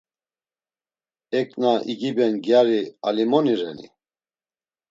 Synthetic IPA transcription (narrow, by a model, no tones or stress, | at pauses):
ɛkʼnaʔiɡibɛnɡjaɾialimɔniɾɛnḭ